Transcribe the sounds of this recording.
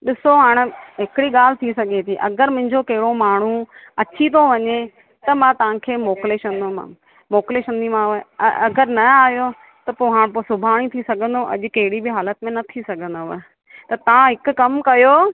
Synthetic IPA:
ɗɪsoɦaːɽ̃̆ɦɪkɽiɠaːl̤ɪ̆t̪ʰisɐɡʱet̪ʰiːʔɐ̰ɡəɾmʊ̃ɦɪ̃ɲd͡ʑokɐɦɪɽomaːɳ̤uɐt͡ɕit̪oʋɐɲe | t̪ɐmãt̪ɐʋ̤ãkʰeːmoːkleʃɐ̃nd̪omã̰ | moːkleʃə̃nd̪imãɐ̰ɐɡəɾnɐaːɦjo | t̪ɐpoːɦaːɽ̃posʊbʱaːɽ̃it̪ʰisɐɡʱə̃nd̪oʔɐ̰ʄʊ̆kɐɦɪɽibɪɦaːlət̪mẽnɐt̪ʰisɐɡʱə̃nd̪o | t̪ɐt̪ɐʋãɦɪkʊ̆kɐmkɐjoː

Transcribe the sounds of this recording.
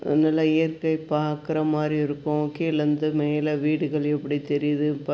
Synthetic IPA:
nɪlːɐɪjɐɾkɐɪpaːɾkɪɾɐmaːd̪ɾiɪɾɯkːʊ̃kiːlɐnd̪ɯmeːlɐʋiːɽɯɣɐɭɛpːɐɽit̪ɛɾɪjɐðɯp

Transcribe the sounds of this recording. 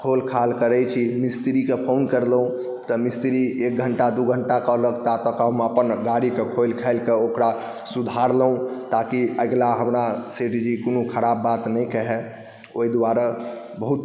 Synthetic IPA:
kʰolkʰalkəɾɛt͡ʃʰimist̪ɾikepʰonkəɾləɦũ | t̪ɔmist̪ɾiek̚ɡʱəɳʈad̪uɡʱəɳʈakɔləkʰt̪at̪ɔkameəpənɡaɾikekʰolkʰɛɪlkeokɾa | sud̪ʱaɾləɦũt̪akiəɡlaɦəmnaseʈid͡ʒikonukʰəɾabːat̪nɛjkɛɦɛ | oid̪waɾa | bəɦut̪

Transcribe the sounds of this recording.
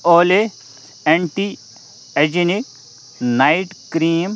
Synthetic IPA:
oːle | eɳʈi | ed͡ʒinik | naiʈkɾiːm

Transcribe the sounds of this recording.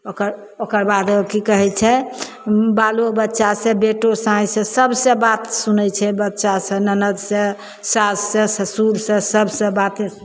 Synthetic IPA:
okəɾ | okəɾbad̪kikəɦɛt͡ʃʰɛ | balobətːʃasẽbeʈosãĩsə̃səbsə̃bat̪sunɛt͡ʃʰɛbətːʃasə̃nənəd̪sə̃ | sassə̃səsuɾsə̃səbsə̃bat̪esu

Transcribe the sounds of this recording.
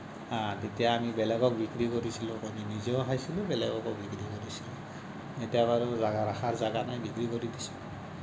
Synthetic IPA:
ãtetijaːmibɛlɛɡɔk̚bikɾikoɹisilʊ̃aminizɔɦajsilʊ̃bɛlɛɡɔkɔk̚bikɾikoɹisilũ | etijabaɹuzaɡaɹaxaɹzaɡanajbikɹikoɹidisũ̥

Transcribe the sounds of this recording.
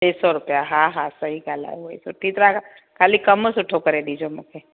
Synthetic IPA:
t͡ʃeːsɔɾʊpjaɦãɦãsɐɦikaːla̰oḭsʊʈʰːit̪ɾaka | kʰaːlikɐmosʊʈʰokəɾed̪id͡ʒomʊkʰe

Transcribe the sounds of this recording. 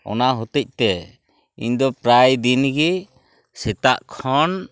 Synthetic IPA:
ɔ̰naɦut̪ic̚t̪ɛ | ḭɲd̪ɔpɾajd̪inɡi | sɛt̪aʔkʰɔn

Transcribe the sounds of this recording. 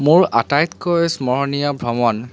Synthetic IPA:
mʊɹa̰tajt̪kɔsmɔɹnijɔbʱɹɔmɔn

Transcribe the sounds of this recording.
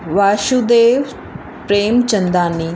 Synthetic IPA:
ʋaːʃud̪eːʋ | pɾeːmt͡ʃənd̪aːniː

